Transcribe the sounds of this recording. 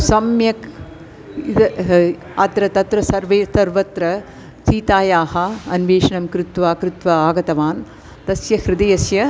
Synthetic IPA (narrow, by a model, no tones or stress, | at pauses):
sɐmjɐk | id̪ɐ | ɐt̪ɾɐt̪ɐt̪ɾɐsɐɾʋeːsɐɾʋɐt̪ɾɐ | t͡ʃiːt̪aːjaːɦɐɐnʋeːʂɐɳɐmkɾɪt̪ʋaːkɾut̪ʋɐaːɡɐt̪ɐʋaːn | t̪ɐsjɐhɾɪd̪ɐjɐsjɐ